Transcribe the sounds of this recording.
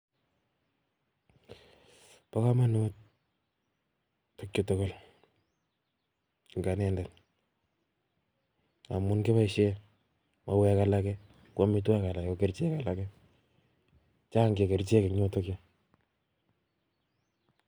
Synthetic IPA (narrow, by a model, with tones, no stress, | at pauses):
pa˦ka˦ma˦nu˦t̚ | to˦kjo˦to˦ko˦l | ŋɡa˨nɛ˨nda˨n | a˨mu˦nke˦βa˦iʃɛ˦ | ma˨wɛ˨˦ka˨la˦kɛ | kʔo˦mi˦t̬wa˦ka˨la˨o˨ke˨rt͡ʃe˦ka˨la˨kɛ˦ | t͡ʃa˦ŋɡe˨ke˨ɾt͡ʃe˦ke˨kɲo˦to˦kjɔ˦